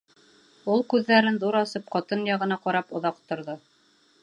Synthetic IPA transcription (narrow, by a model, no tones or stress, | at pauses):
ulˠkʉðːæɾɘnðuɾɑsɤp̚qɑt̪ɤnjɑʁɤ̆nɑqɑɾɑpŏðɑqt̪ŏɾðɤ